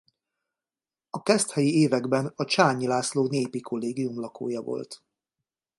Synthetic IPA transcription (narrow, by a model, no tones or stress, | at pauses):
ɒkɛst̪hɛjieːvɛɡbɛnɒt͡ʃaːɲilaːsloːneːpikʰo̞lːeːɡijumlɒko̰ːjɒvo̞̰lt̪